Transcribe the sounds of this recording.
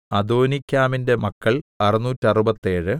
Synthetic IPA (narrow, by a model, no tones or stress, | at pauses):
ɐd̪oːnikʲːaːminde̞mɐkːɐɭɐrinuːtːɐrubɐt̪ːe̞ːɻɨ